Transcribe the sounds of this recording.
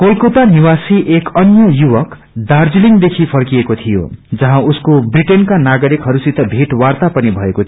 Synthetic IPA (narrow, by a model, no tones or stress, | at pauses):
kolkot̪aniwasiʔekʌnjʌjuwʌk | d̪ard͡ziliŋd̪ekʰipʰʌrkijekot̪ʰijo̰d͡zʌɦãuskobriʈenkanaɡʌɾikɦʌɾusit̪ʌbʱiʈwart̪apʌnibʱʌekot̪ʰ